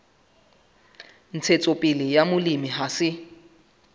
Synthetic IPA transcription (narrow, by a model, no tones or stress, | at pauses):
n̩t͡sʰet͡sʼopʼɪlɪjamʊlimiɦasɪ